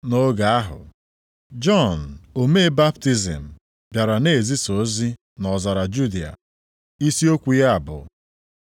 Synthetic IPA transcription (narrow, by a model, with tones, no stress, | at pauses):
no˦ɡa˨a˦ɦʊ̰˨ | d͡ʒɔ˦˨n̩˨o˨me˦ba˦pti˦zḭ˨m̩˨ | bja˨ɾa˨ne˦˨e˨zi˦so˨˦zi˦ | nɔ˨za˨ɾa˨d͡ʒu˦di˨a̰˨ | i˦si˦o˦kʷu˨ja˦a˨bʊ̰˨